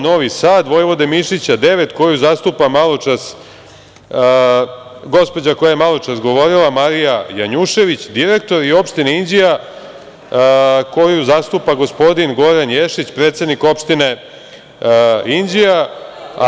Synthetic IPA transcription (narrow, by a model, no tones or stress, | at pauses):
no̞ʋisaːd̪ʋo̞jʋo̞d̪emiʃit͡ɕad̪e̞ʋe̞t̪ko̞juzast̪upamalˠo̞t͡ʃas | ɡo̞spo̞d͡ʑako̞jajemalˠo̞t͡ʂasɡo̞ʋo̞ɾilˠamaɾijajaɲuʃe̞ʋit͡ɕd̪iɾek̚t̪o̞ɾio̞pʃt̪ineind͡ʑija | ko̞juzast̪upaɡo̞spo̞d̪inɡo̞ɾanje̞ʂit͡ɕpɾe̞ːt̪sed̪niko̞pʃt̪ine̞ | ind͡ʑia